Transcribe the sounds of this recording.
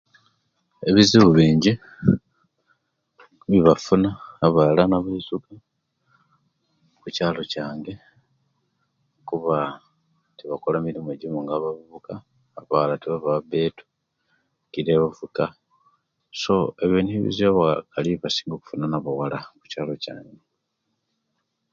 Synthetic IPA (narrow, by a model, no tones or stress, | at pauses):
e̞βiziβuβiːɲɟi | βiβafunaːβalanaβaizuka | kucaːlo̞caːŋɡe̞ | kuβa | tiβakolamilimueɟimoŋɡaβavuβukaː | βalatiβaβaβe̞ːtu̥ | kiɾeβavuka | so̞eβenihiβḭzaβakaliβasi̥ːŋɡoku̥funanaβawalaku̥caːlo̞ca̰ːŋɡe